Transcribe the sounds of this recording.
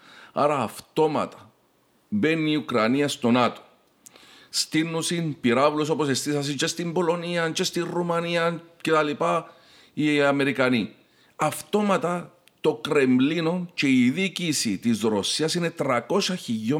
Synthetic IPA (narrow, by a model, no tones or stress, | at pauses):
ɐ̰ɾɐːft̪o̞mɐ̰t̪ɐ̥ | be̞nːiukɾɐniɐst̪o̞nɐt̪o̥ | st̪inːusinpiɾavlos̬o̞posest̪isɐs̬int͡ʃest̪imbo̞lo̞niɐnt͡ʃest̪irːumɐniɐce̞t̪ɐlipa | iɐme̞ɾikɐni | ɐft̪o̞mɐt̪ɐ | t̪o̞kɾe̞mlino̞nt͡ʃe̞iðicisit̪izɾosiɐsine̞t̪ɾɐko̞sɐçiʝo